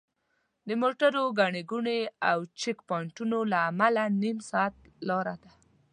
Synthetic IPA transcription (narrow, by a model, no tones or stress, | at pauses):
d̪əmoʈaɾoɡaɳeɡuɳeawt͡ʃɪkpɑɳʈunolaːmalanimsɑat̪ | lɑɾad̪a